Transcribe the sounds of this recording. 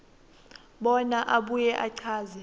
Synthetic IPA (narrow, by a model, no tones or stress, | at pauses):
ɓɔnaʔaɓujɛʔaǀʰaːzɛ